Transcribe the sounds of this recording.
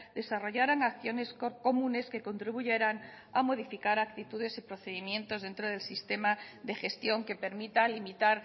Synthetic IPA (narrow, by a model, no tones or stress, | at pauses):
d̪e̞saro̞ʝaɾaŋakθjo̞ne̞soko̞mũne̞ske̞ko̞nt̪ɾiβuʝe̞ɾaŋ | amo̞ðifikaɾak̚t̪it̪uðe̞sipɾoθeðimjẽ̞nt̪ozðe̞nt̪ɾo̞ð̞e̞lsist̪e̞maðexe̞st̪jo̞ŋke̞pe̞ɾmit̪alimit̪aɾ